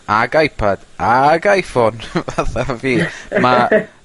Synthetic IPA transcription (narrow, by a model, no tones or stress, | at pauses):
aɡajpʰad̥aɡajfɔnvaθaviːma